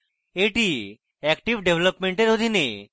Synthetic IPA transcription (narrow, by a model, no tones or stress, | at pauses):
eʈi | ɛkʈiʋɖeʋləpmeɳʈeɾɦod̪ʱine